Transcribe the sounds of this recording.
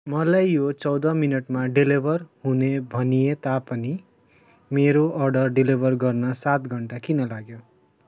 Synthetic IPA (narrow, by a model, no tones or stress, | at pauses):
mʌlajjot͡sʌwd̪ʌminʌʈmaɖilibʱʌrhunebʱʌnijet̪apʌni | meɾoʔʌrɖʌrɖilibʱʌrɡʌrnʌsat̪ɡʱʌɳʈakinʌlaɡjo